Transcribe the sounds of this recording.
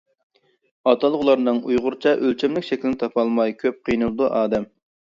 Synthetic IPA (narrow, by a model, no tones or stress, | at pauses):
ɑt̪ʰɑlˠəʁlˠɑɾnɨŋujʁʊɾt͡ʃʰɑʔølt͡ʃʰɛmlɪkʲʃɛkʲlɪnɪt̪ʰɑpʰɑlˠmɑjkʲʰøp̚qʰijnɨlˠɨd̪uʔɑːd̪ɛm